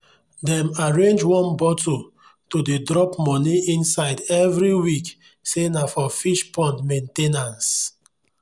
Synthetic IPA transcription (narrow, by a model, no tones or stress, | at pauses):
dɛ̃maɹẽnd͡ʒwɔ̃nbɔto | todedɹɔpmɔniĩnsaɪdɛvɹiwik | senafɔfiʃpʰɔ̃ndmẽntenãns